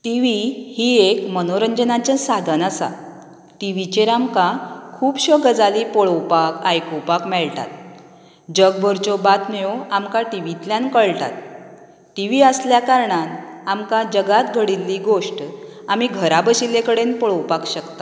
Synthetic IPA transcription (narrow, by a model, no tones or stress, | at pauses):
ʈiʋihiekmənoɾəɲd͡ʑənat͡ɕasad̪ʱənəsa̰ | ʈiʋit͡ɕeɾamkakʰuːpɕəɡəd͡zaliːpɔɭəwpakajkowpakmɛɭʈa̰t̪̚ | d͡ʑəɡbəɾt͡ɕɔbat̪mjoamkaʈiʋit̪ljankəɭʈa̰t̪̚ː | iʋiːəsljakaɾɳanamkad͡ʑəɡat̪ɡʱəɽilːiːɡoʂʈ | amiːɡʱəɾabəɕilekəɽenpɔɭəwpakɕəkt̪ḁ